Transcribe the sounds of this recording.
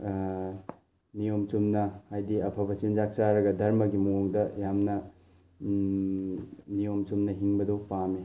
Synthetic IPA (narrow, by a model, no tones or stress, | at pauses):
nijomt͡ʃumnɐhajdiɐpʰɐbɐsiunzak̚saɾɐɡɐdʱɐɾmɐɡimoŋdɐjamnɐ | nijomt͡ʃumnɐɦiŋbɐdopame